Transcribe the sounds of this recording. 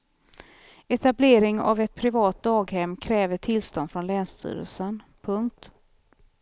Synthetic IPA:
ɛt̪ableːɾɪŋa̰vɛt̪̚pʰɾɪvɑːt̪̚d̪ɑːɡhɛmːkʰɾɛːvəʈʰɪlst̪ɔnd̪fɾɔnlɛːnst̪ʰy̰ːɾə̰lsənpʰɵŋk̚t̪

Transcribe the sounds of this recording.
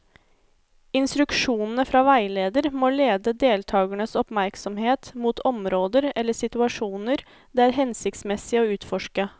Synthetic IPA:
ɪnst̪ɾʉkʂuːnn̩əfɾɑːʋæɪleːd̪əɾmoːleːd̪əd̪eːlt̪ʰɑːɡəɳəsɔpmæɾksɔmheːt̪muːt̪ʰɔmɾoːd̪əɾɛlːəsɪt̪ʉɑʂuːnəɾ | d̪eːæːɾɦɛnsɪkt̪smɛsɪəoːʉːt̪fɔʂkə

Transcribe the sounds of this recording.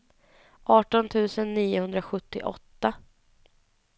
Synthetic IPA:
ʔɑːʈɔnt̪ʰʉ̟ːsənːiːʊhɵnd̪ɾaɧɵt̪ːɪ̰ʔɔ̰t̪ːa

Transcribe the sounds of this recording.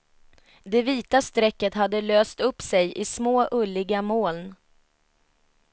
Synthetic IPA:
d̪ɛviːt̪ast̪ɾɛkːət̪ɦad̪ːəløːst̪ɵpːsɛjʔɪsmoːʔɵlːɪɡamoːln

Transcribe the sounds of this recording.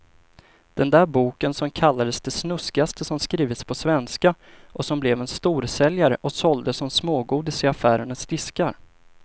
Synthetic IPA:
d̪̥ɛnd̪æːɾbuːkənsɔmkʰalːad̪əsd̪ɛsnɵskɪast̪əsɔmskɾiːvət̪spʰɔsvɛnska | ʔɔsɔmblɛvɛnst̪uːɾsɛljaɾəʔɔsɔld̪əsɔmsmoːɡuːd̪ɪsɪafæːɾəɳəsd̪ɪskaɾ

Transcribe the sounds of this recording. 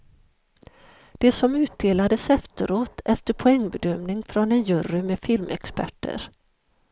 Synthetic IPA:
d̪̥ɛsɔmʉ̟ːt̪̚d̪eːlad̪əsɛft̪əɾoːt̪ʰɛft̪əɾpʰʊɛŋːbɛd̪œmnɪŋfɾɔnɛnjɵɾɪmeːfɪlmʔɛkspæ̰ʈːə̰ɾ

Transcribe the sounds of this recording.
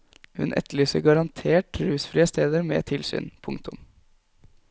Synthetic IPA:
hʉ̰nʔɛ̰t̪ʰːəɭyːsəɡɑɾɑnt̪ʰeːʈɾʉːsfɾiːəst̪eːd̪əɾmɛ̰t̪ʰɪlsy̰ːnpʰʊŋkt̪ʰʊm

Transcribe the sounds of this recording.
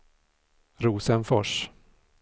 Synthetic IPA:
ɾuːsənfɔʂ

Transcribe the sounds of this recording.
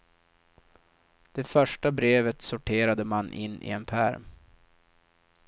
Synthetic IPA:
d̪̥ɛfœʂʈabɾeːvət̪sʊʈʰeːɾad̪əmanʔɪ̰nːʔɪ̰ɛnpʰæɾm

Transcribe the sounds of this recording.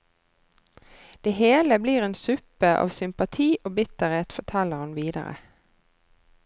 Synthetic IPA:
d̪̥eːheːləbliːʁeːnsʉpəʔɑ̰ːʋsʏmpɑt̪ʰiːʔoːbɪt̪əʁeːt̪fɔt̪ʰɛləʁhɑnʋiːd̪ə̰ʁə̰

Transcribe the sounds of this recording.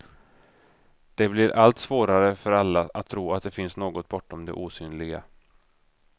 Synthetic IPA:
d̪̥ɛblɪɾʔalt̪svoːɾaɾəfœɾalːaʔat̪ʰːɾuːat̪̚d̪ɛfɪnsnoːɡɔt̪̚bɔʈːɔmd̪ɛ̰ʔuːsyːnlɪɡa̰

